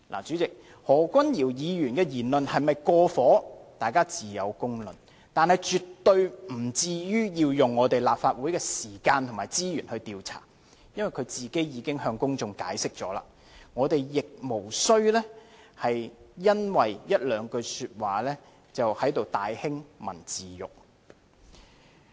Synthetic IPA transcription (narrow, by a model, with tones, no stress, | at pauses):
la̰ː˨˩t͡ʃy˨˥t͡sɪ˨k̚ | hɔː˨˩kʷɐ˥njiː˨˩wjiː˨˧jyː˨˩nkɛː˧jiː˨˩nlɵ˨nhɐ˨jmɐ˨jkɔː˧fɔː˨˥t̪aː˨˩jkaː˥t͡siː˨˩jɐ̰˨˧wkʊ˥ŋlɵ̰˨n | t̪aː˨nhɐ˨˧jt͡ʃyː˨tt̪ːɵ˧ɥm̩˨˩t͡siː˧jyː˥jiː˧wjʊ˨ŋːɔː˨˧t̪e˨jlaː˨p̚faː˧t̚wuː˨˥jkɛː˧siː˨˩kaː˧nt̪ʰmaː˨˩jt͡siː˥jyː˨˩nhɵ˧t̪iː˨˧wt͡sʰa̰ː˨˩ | jɐ˥nwɐ˨˩jkʰɵ˨˧ɥt͡siː˨ke˥jjiː˨˧kɪ˥ŋhœː˧ŋkʊ˥ŋt͡sʊ˧ŋkaː˨˥jsɪ˥k̚t͡ʃɔ̰ː˨˥la̰ː˨ | ŋɔː˨˧t̪e˨jjɪ˨k̚mo˨˩wsɵ˥ɥlɛː˥ | hɐ˨jjɐ˥nwɐ˨jjɐ˥t̚lœː˨˧ŋkɵ˧syː˧t̚waː˨˩lɛː˥ | t͡sɐ˨whɐ˨˥jt̪o˨wt̪aː˨jhɪ˥ŋmɐ̰˨˩nt͡siː˨jʊ̰˨k̚